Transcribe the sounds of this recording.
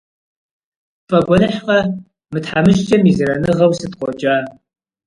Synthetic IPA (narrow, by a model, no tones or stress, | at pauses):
pʼɐɡʷɔnɨħqɐ | mɨtħamɨʃt͡ʃʼɐmizɨɾɐnɨʁɐwsɨtqʷɔd͡ʒʼaː